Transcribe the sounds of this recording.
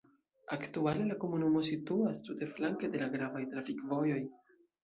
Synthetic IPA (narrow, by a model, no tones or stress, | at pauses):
aktuale̞lako̞munumo̞situastute̞flaŋke̞de̞laɡɾavajt̪ɾafikvo̞jo̞j